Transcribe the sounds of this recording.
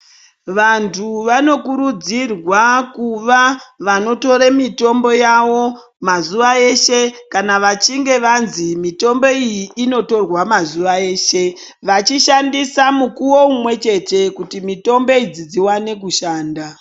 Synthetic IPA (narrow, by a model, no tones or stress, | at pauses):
ʋantʰuʋano̞kuɾud͡zirwakuʋaʋano̞to̞ɾemito̞mbo̞jaʋo̞ | mazuʋae̞ʃe̞kanaʋat͡ʃiŋɡe̞ʋanzimito̞mbo̞ijiːno̞to̞rwamazuʋae̞ːʃe̞ | ʋat͡ʃiʃandisamukuwo̞umwe̞t͡ʃe̞te̞kutimito̞mbo̞id͡zid͡ziwane̞kuʃaːnda